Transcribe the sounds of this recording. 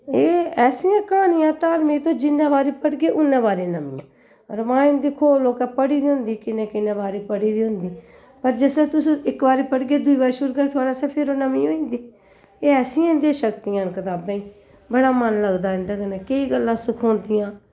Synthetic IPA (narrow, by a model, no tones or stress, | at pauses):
eːɛːsiːãːkaːnijãːt̪aːlmĩːt̪õːd͡ʒɪnːẽːbaːɾeːpəɽɡeːʔʊnːẽːbaːɾeːnəmiːã̰ː | ɾʋãːɪ̃nd̪iːkʰoːloːkɛːpəɽiːd̪iːɦʊnd̪iːkɪnẽːkɪnẽːbaːɾeːpəɽiːd̪iːɦʊ̃nd̪iː | pəɾd͡ʒɪsnẽːt̪ʊsɪkbaːɾeːpəɽɡeːd̪ʊiːbaːɾeʃʊɾɡət̪ʰʊaːɽaːsɛːpʰɪɾoːnəmiːoːĩːnd̪iː | eːɛːsĩːãɪ̃nd̪iːʃəkt̪ijãːnkət̪aːbãːĩː | bəɽaːmənləɡd̪aːɪ̃nd̪aːkənẽːkəiːɡəlːãːsʊkʰõːnd̪ɪjãː